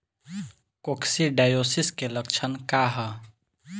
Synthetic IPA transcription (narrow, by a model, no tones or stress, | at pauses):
koksiɖaːjosiskeləkt͡ʃʰənkaːɦə